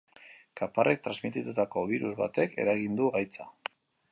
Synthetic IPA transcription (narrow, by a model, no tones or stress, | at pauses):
kaparʔe̞k̚t̪ɾanzmit̪it̪ut̪ako̞β̞iɾuzβat̪e̞ke̞̰ɾaɣind̪uɣajt͡sa